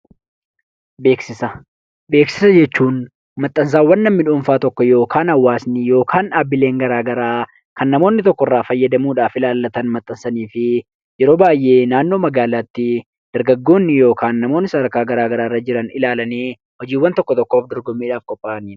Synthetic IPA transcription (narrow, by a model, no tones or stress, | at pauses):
be̞ːksɪsɐ | be̞ːksɪ̥sɐd͡ʒɛt͡ʃːuːn | mɐt̪ʼːɐns̬aːwɐnːɐmːɪᶑuːɱfaːt̪ɔkːɔjo̞ːkʰaːnɐwːaːsnɪjo̞ːkʰaːnaːbːɪle̞ːŋɡɐɾaːɡɐɾaː | kɐnːɐmo̞ːnːɪt̪ɔkːɔrːaːfɐjːɐd̪ɐmuːᶑaːfɪlaːlːɐt̪ɐnmɐt̪ʼːɐnsɐniːfɪ | jɛɾo̞ːbaːjʔe̞ːnaːnːo̞ːmɐɡaːlaːt̪ːɪ | d̪̥ɐɾɡɐɡːo̞ːnːɪjo̞ːkʰaːnːɐmo̞ːnːɪsɐɐɾkaːɡɐɾaːɡɐɾaːrːɐd͡ʒɪɾɐnɪlaːlɐneː | hɔd͡ʒiːwːɐnt̪ɔkːɔt̪ɔkːoːfd̪ɔɾɡɔmːiːᶑaːfkʼɔpʼːaːniː